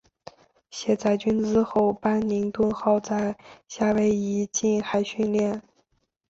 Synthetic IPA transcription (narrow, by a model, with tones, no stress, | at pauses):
ɕjɛ˧˥t͡sa˥˩ɪt͡ɕy˥nt͡sɹ̩˥xo˥˩ʊpa˥nli˧˥ŋt̪wə˥˧nxɑ˥˧ʊt͡sa˥˧ɪɕja˥˩we˧˥ɪi˧˥t͡ɕi˥˩nxa˧˥ɪɕy˥˧nljɛ˥˩n